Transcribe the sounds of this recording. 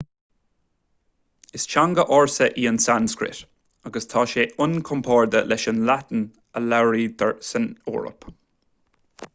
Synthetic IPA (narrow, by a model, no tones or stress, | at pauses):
ɪst͡ʃaŋɡəʔɔɹsəʔiːənsanskɹɪ̰t | aɡəst̪ʰɑːʃeːʔʊnkʰɔmpʰɑːɹd̪əlɛʃənlat̪ən | əlaɹiːd̪əɹsənṵːɹə̰p